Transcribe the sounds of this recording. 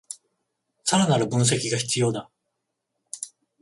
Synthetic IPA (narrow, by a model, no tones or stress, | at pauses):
saɾanaɾɯ̟bɯ̟̃ɰ̃s̬e̞kʲiɡaçi̥t͡sɨjo̞ːd̪a